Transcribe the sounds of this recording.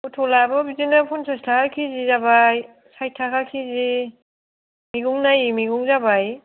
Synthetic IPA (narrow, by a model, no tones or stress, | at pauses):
utʰɔlabɔbizinɯpʰunsastʰakʰakʰizizabaj | sajtʰakʰakʰizi | miɡuŋnajmiɡuŋzabaj